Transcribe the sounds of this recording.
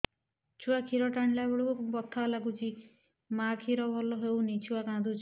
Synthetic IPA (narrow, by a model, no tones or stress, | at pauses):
t͡ʃʰuakʰiɾɔʈaɳ̃labɔɽukubɔt̪ʰːalaɡut͡ʃʰi | makʰiɾɔbʱɔlɔɦewnit͡ʃʰuakãd̪ut͡ʃʰ